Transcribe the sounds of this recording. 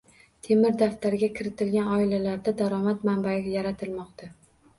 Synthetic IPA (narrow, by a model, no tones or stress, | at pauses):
t̪ʰe̞mɪɾd̪aft̪aɾɪɡʲakʲʰɪɾɪt̪ɪlɡʲanɒɪlalaɾd̪ad̪aɾɒmat̪mambaɡʲajaɾat̪ʰɪlmɒqt̪ʰa